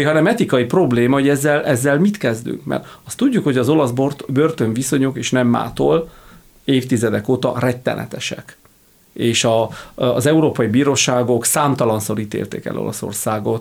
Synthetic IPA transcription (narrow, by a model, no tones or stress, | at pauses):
ɦɒnɛmɛt̪ikɒjipro̞bleːmɒho̞ɟɛzːɛlʔɛzːɛlmit̪kɛzd̪y̰ŋkmɛ̰rt̪ɒst̪uɟːukho̞ɟɒzo̞lɒsbobørt̪oɱviso̞ɲokeːʃnɛmːa̰ːt̪o̰l | eːft̪izɛd̪ɛkoːt̪ɒ̰rɛt̪ːɛ̰nɛ̰t̪ɛʃɛ̰k | eːʃɒzɛuɾoːpɒjibiːɾoːʃaːɡo̞ksaːmt̪ɒlɒnsoɾit̪ḛːlt̪ɛkɛ̰lʔo̰lɒ̰so̞̰rsaːɡo̞t̪